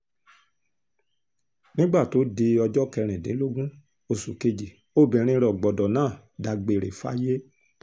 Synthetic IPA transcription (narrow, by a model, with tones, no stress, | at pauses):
nĩ˦ɡ͡ba˦˨to˨˦de˧ɔ˧d͡ʒɔ˦kɛ˧ɾ̃ɛ̃˨dẽ˨˦lo˦ɡũ˦ | o˧˨sṵ˨ke˧d͡ʒi˨ | o˦˨bĩ˨ɾ̃ĩ˧ɾɔ˨ɡ͡bɔ˨dɔ˨nãː˦˨ | da˧ɡ͡be˧˨ɾḛ˨fa̰˦je˦